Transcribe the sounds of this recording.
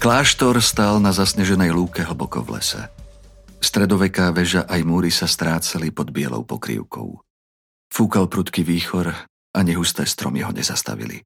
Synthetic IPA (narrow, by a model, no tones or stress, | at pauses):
klaːʃt̪ɔɾst̪aːlnazasɲɛʒɛnɛjɦluːkɛɦl̩bɔkɔ̰vlɛ̰sɛ̰ | st̪ɾɛd̪ɔʋɛkaːʋɛʒaʔajmuːɾisast̪ɾaːt͡salipɔd̪bɪɛ̰lɔ̰ʊpɔkɾḭʊkɔ̰ʊ | fuːkalpɾut̪kiʋiːxɔɾ | ʔaɲɛɦust̪ɛːst̪ɾɔmiɦɔɲɛzast̪a̰ʋḭlḭ